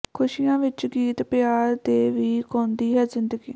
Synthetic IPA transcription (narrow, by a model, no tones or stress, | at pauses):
kʰʊʃiːjãːʋɪt͡ʃɡiːt̪pjaːɾt̪eːʋiːkɔ̃ːnd̪iːɦɛːzɪnd̪əɡḭː